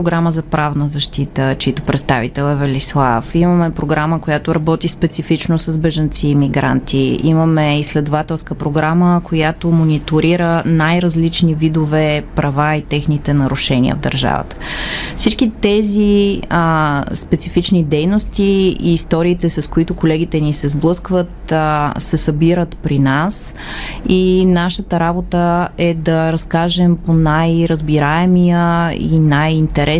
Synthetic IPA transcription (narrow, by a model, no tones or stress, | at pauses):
ɾoɡɾaməzɐpɾavnəzɐʃt̪it̪ət͡ʃit̪o̥pɾɛt̪st̪avit̪ɛlˠɛvɛlislˠafiməmɛpɾoɡɾaməkojat̪oɾɐbɔt̪ispɛt̪sifit͡ʃnosəzbɛʒɐnt̪siːmiɡɾa̰nt̪ʰiiməmɛislɛd̪ovat̪ɛlˠskəpɾoɡɾaməkʰojat̪omonit̪oɾiɾənajɾɐzlit͡ʃnivid̪ovɛpɾɐvait̪ɛxnit̪ɛnɐɾuʃɛnḭə̰vd̪ə̰ɾʒa̰və̰t̪ə̥fsit͡ʃkit̪ɛzi | spɛt̪sifit͡ʃnid̪ɛjnost̪iiːst̪ɔɾiːt̪ɛsɐskoit̪ʊkolɛɡ̟it̪ɛnisɛzblˠɤskvət̪sɛsɐbiɾət̪pɾinas | inaʃət̪əɾabot̪əɛd̪ɐɾɐskaʒɛmponajɾəzbiɾaɛmijəḭnajint̪ɛɾʔɛ